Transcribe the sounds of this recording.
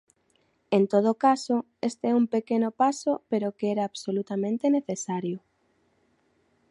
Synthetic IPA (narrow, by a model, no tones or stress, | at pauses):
ent̪oð̞okaso | est̪eɛumpekenopasopeɾokeɛɾaːβsolut̪amẽnt̪eneθesaɾjʊ